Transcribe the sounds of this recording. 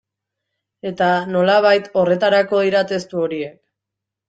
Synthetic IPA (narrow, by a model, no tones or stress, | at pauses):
e̞t̪ano̞laβ̞ajt̪o̞re̞t̪aɾako̞iɾat̪e̞st̪uo̞ɾie̞k̚